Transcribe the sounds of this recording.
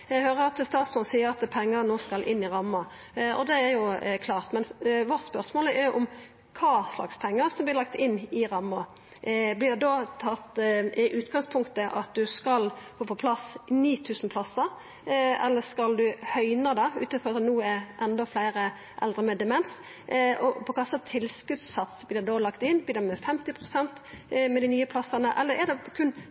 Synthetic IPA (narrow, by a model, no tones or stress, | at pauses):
æhøːɾəɑt̪st̪ɑːt̪sɔnsiːəɾɑt̪pʰɛŋːəɾnoːskɑlʔɪnːɪɾɑmːɑ | ʔɔ̰d̪ɛæɾjʊkʰlɑːʁt̪mɛnʋɔt̪spœʁsmoːləɛjʔʊm | kʰɑːslɑ̰kspʰɛŋːəɾsɔmblɪlɑk̚t̪ɪnːɪɾɑmːɑ | blɪɖ̪ɛd̪oːt̪ʰɑt̪ːɪʔʉːt̪ɡɑŋspʰʊŋkt̪əʔɑ̰t̪̚d̪ʉskɑlfoːpʰɔpʰlɑsniːt̪ʰʉːsən̩pʰlɑsəɾ | ʔɛlːəskɑld̪ʉhœʏnəd̪ɑʉ̰ːt̪ənfɔɾɑt̪ːnuːɛɾʔɛnd̪ɔflæɪɾə | ʔɛ̰ld̪ɾəmɛd̪ɛmɛns | ʔɔpʰɔkʰɑsːɑt̪ʰɪlskʉt̪sːɑt̪sblɪːd̪ɛd̪oːlɑkt̪ɪnːbliːd̪ɛmɛfɛmt̪ɪpʰʁʊsɛnt̪mɛd̪ɪnyːəpʰlɑsɑnəʔɛlːəɾɛd̪ɛkʰʉn